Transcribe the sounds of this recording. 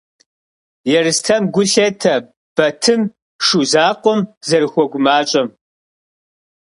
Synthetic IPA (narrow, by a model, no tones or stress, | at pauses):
jɛrɨstʰɐmɡʷʊɬɐtʰɐ | b̥ɐtʰɨm | ʂuzaːqʷɔmzɐrɨxʷɔɡʷʊmaːt͡ʃʼɐm